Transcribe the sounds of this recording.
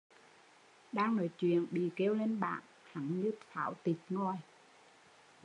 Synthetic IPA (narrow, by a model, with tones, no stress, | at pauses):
ɗaː˧ŋno̰˧˨˦jt͡ɕwḭ˧˨ənɓḭ˧˨ke˧wle˧nɓa̰ː˧˨n | ha˨˩˦ŋɲɨ˧t̪ʰaː˧˩˦wt̪i˨˩k̚ŋɔ˧˩j